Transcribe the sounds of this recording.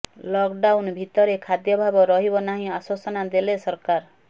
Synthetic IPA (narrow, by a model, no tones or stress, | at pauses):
lɔkɖawnbʱit̪ɔɾekʰad̪jɔbʱabɔɾɔɦibɔnaɦĩaswasɔnad̪elesɔɾkaɾ